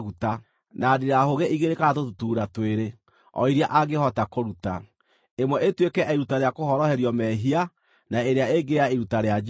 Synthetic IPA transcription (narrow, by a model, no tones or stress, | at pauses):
ɣuta | nadiɾahoɣeʔiɣeɾekaatotutuːɾatweɾe | ɔ̰iɾiaʔaɣehɔtakoɾuta | emwɛʔetwekɛʔiɾutaɾeakoɦɔɾɔhɛɾjɔmɛɦia | naeɾeaeɡeɾaeɾutaɾead͡ʒ